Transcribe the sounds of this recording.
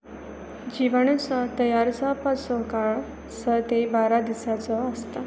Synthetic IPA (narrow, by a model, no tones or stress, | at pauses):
d͡ʑiʋaɳ̃ut͡sət̪əjaɾt͡sapəsɔkaɭ | sət̪ebaɾad̪isat͡sɔəst̪a